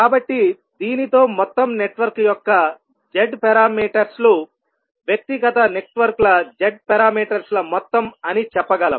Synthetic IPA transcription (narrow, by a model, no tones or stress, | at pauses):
kaːbɐʈːi | d̪iːnit̪o̞ːmɔt̪ːɐmneʈʋɐɾkjɔkːɐ | d͡ʒeɖpɛɾaːmiːʈɐɾslu | ʋjɐk̚t̪iɡɐt̪ɐne̞ʈʋɐɾklɐd͡ʒeɖ̚pɛɾaːmiːʈɐɾslɐmɔt̪ːɐmɐnit͡ʃɛpːɐɡɐlɐ̰m